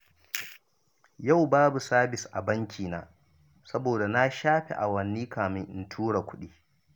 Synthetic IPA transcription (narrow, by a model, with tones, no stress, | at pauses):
ja˦˨wbaː˦bu˨saː˦bɪ˨sʔa̰˨bɐ˦ŋkʲiː˨na̰ː˦ | sɐ˦boː˨da˨na˦ʃaː˦ɸḛ˨ʔa˨wɐ˨nːiː˦kaː˨mɪ˦ŋʔɪ̰˨ntʰuː˦ɽa˨kʷʊ˦ɗiː˦